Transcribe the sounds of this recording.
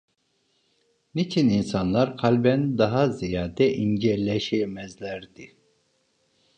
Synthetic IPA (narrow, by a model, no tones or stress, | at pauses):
nit͡ʃʰininsanlˠaɾkʰalʲbænd̪aɦazijaːd̪ɛʔind͡ʒɛɾlʲɛʃɛmɛzlʲæɾd̪i